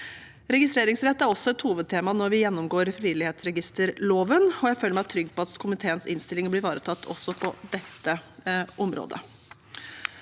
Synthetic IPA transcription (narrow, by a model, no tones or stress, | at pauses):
ɾɛɡɪst̪ɾeːɾɪŋsɾɛt̪ːæɾɔsːɔɛt̪huːʋəd̪̚t̪ʰeːmɑnɔɾʋɪjɛnːɔmɡoːɾfɾɪʋɪlɪheːt̪sɾɛɡɪst̪əɾloːʋənɔjæɪføːlɾmæɑt̪ʰɾʏɡːpʰɔɑt̪kʰʊmɪt̪ʰeːənsɪnst̪ɪlɪŋəblɪɾʋɑːɾət̪ʰɑt̪ːʰɔ̰sːɔpʰɔd̪ɛt̪ːəʔɔmɾo̰ːd̪ə̰